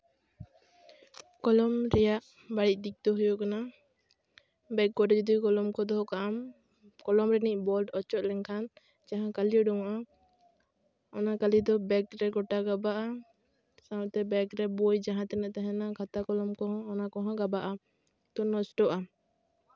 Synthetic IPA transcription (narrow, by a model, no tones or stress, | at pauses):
kɔlɔmɾɛjaʔ | baɽic̚ˀd̪ik̚t̪ɔɦujɔʔkana | bɛk̚ɡɔɖd͡ʒud̪ikɔlɔmkɔd̪ɔɦɔkaʔam | kɔlɔmɾɛniʔ̚ˀbɔlɖɔt͡ʃɔʔ̪̚lɛŋkʰan | d͡ʒaɦãkaliɔɖɔwaʔa | ɔnakalid̪ɔbɛkɾɛɡɔʈaɡabaʔa | sawt̪ɛbɛkɾɛbɔjd͡ʒaɦãt̪ɛnɛʔt̪aɦɛnakʰat̪akɔlɔmkɔɦɔ̃ːnakɔɦɔ̃ɡabaʔa | t̪ɔnɔsʈɔʔa